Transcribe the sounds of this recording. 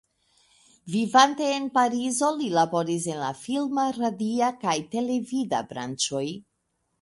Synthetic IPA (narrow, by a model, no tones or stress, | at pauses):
vivante̞ːnpaɾizo̞lilabo̞ɾis̬e̞nlafilmaɾadiakajte̞le̞vida̰bɾa̰nt͡ʃo̞j